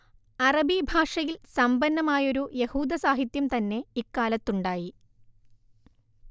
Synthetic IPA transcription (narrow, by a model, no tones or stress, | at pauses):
ɐrɐbibʱaːʂɐjilsɐmbɐnːɐmaːjo̞ɾuje̞huːd̪ɐsaːɦit̪jɐmt̪ɐnːe̞ikːaːlɐt̪ːuɳɖaːji